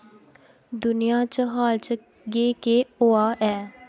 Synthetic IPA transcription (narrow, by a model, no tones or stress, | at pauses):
d̪ʊnijãːt͡ʃəɦaːlt͡ʃə | ɡeːkeːoːaːʔɛː